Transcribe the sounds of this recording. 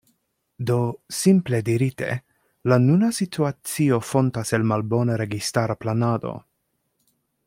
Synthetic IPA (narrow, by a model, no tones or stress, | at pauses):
do̞simple̞diɾite̞̰ | lanunasitʰuat͡sio̞fo̞ntase̞lmalbo̞naɾe̞ɡistaɾaplanado̰